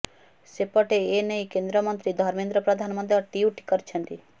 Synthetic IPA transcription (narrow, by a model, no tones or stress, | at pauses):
sepɔʈeeneikẽnd̪ɾəmənt̪ɾid̪ʱɔɾmẽnd̪ɾəpɾəd̪ʱanməd̪ʱjɔʈiuʈi̥kəɾt͡ʃʰənt̪i